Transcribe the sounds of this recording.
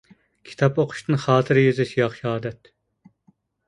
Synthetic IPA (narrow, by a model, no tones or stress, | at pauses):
kʲʰi̥t̪ʰɑpoqʰʊ̥ʃt̪ɨnχɑːt̪ʰɨɾjyzɪʃjɑχʃɑːd̪ɛt̪